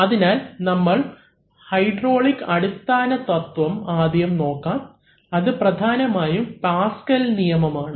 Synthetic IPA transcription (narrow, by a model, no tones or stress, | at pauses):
ɐðinaːlnɐmːɐɭ | hɐjɖroːɭikːɐɽust̪ːaːnɐt̪ɐt̪ʋɐmaːd̪jɐmno̞ːkːaːm | ɐðɨprɐd̪ʱaːnɐmaːjumpaːskɐlnijɐmɐmaːɳɨ